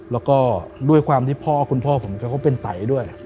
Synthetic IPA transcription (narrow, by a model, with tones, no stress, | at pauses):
lɛː˦˥wkɔː˥˩du˥˩əjkʰwaː˧mt̪ʰiː˥˩pʰɔː˥˩kʰu˧npʰɔː˥˩pʰo˩˦t͡ɕa˧ka˥˩pe˧nt̪a̰˨˩˦jdu˥˩əj